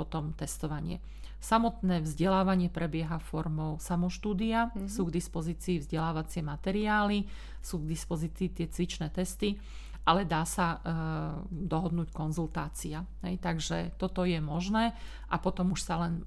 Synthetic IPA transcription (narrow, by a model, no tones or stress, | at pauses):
ɔt̪ɔmt̪ɛst̪ɔʋaɲɪɛ̰ | samɔt̪nɛːvzɟɛlaːʋaɲɪɛpɾɛbɪɛɦafɔɾmɔʊsamɔʃt̪uːd̪iasuːɡd̪ispɔziːt͡siːvzɟɛlaːʋat͡sɪɛmat̪ɛɾiaːli | suːɡd̪ispɔziːt͡siːt̪ɪɛt͡sʋit͡ʃnɛːt̪ɛst̪i | ʔalɛd̪aːsa | d̪ɔɦɔd̪nuːckɔnzult̪aːt͡siaɦɛjt̪aɡʒɛt̪ɔt̪ɔjɛmɔʒnɛː | ʔapɔt̪ɔmuʃsalɛn